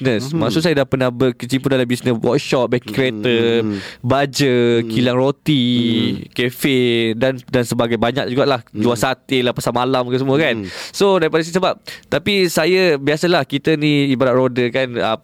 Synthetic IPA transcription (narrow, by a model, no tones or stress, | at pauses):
nə̃smaksʊʔsajadahpənahbəkət͡ʃimpudalambisnəswʔɔ̰k̚ʃɔp̚bɛkkɾiet̪ə | bad͡ʒəkʰilaŋrot̪i | kefedandansəbaɡajbaɲak̚d͡ʒuɡaʔlahd͡ʒuasat̪elapasamalamkəsəmuəkansodaɾipadasisəbap̚t̪apisajabiasalahkit̪ənĩibaɾaʔ̪̚ɾodəkanə